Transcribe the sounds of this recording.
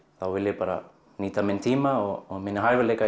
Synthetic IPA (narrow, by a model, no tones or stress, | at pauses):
t̪awelepaɾa̰ | nit̪ament̪ʰimaomenɦajveleka